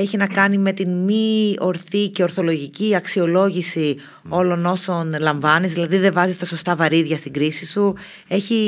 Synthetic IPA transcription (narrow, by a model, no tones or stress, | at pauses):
e̞çinɐkɐnime̞t̪inmio̞ɾθice̞o̞ɾθo̞lo̞ʝiciɐksio̞lo̞ʝisi | o̞lo̞no̞so̞nlɐɱvɐnizðilɐðiðe̞vɐzist̪ɐso̞st̪ɐvɐɾiðʝɐst̪iɡɾisisu | e̞çi